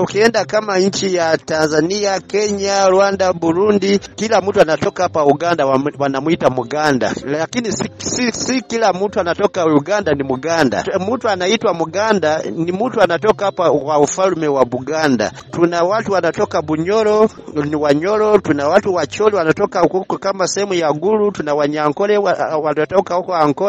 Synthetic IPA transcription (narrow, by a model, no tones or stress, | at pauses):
ukiɛndakamaɲ̩t͡ʃijatanzaniakɛɲaluwandabuɾundikilamutuanatɔkapauɡandawwanamuitamuɡanda̰lakinissisikilamutuanatɔkauɡandanimuɡanda̰mutuanaitwamuɡandanimutuanatɔkapawaufalumɛwabuɡanda̰tunawatuwanatɔkabuɲɔlɔ | niwaɲɔlɔtunawatuwat͡ʃɔliwanatɔkaukukɔkamasɛhɛmujaɡulutunawaɲaŋkɔlɛwawatɔtɔkakɔhaŋkɔ